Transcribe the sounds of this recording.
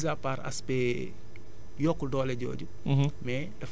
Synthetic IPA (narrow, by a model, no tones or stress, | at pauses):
zapaɾa̰spɛ | jɔkːuldɔːlɛɟɔ̰ːɟu | mɛ | dɐf